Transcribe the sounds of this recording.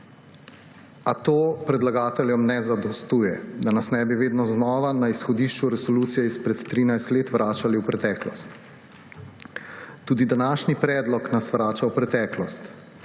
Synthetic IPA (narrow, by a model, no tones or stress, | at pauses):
at̪oːpɾɛd̪laɡaːt̪ɛljɔmnɛzad̪ɔst̪uːjɛd̪anasnɛːbiʋeːd̪nɔznɔːʋanaisxɔd̪iːʃt͡ʃuɾɛsɔluːt̪sijɛispɾɛt̪ːɾiːnajst̪leːt̪ʋɾʔaːt͡ʃaliwpɾɛt̪ɛːklɔst̪ | uːd̪id̪anaːʃnipɾɛːd̪lɔknasʋɾaːt͡ʃawpɾɛt̪ɛːklɔst̪